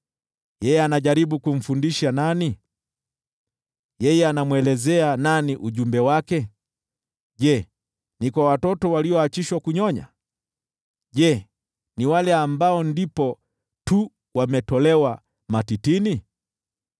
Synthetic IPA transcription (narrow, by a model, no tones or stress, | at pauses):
jɛjɛanaʄaɾiɓukum̩fundiʃanani | jɛjɛanamwɛlɛzɛananiʔuʄumbɛwakɛ | ʄɛ | nikwawatɔtɔwaliɔat͡ʃiʃwakuɲɔɲa̰ | ʄɛ | niwalɛambaɔndipɔ | tu | wamɛtɔlɛwa | matitini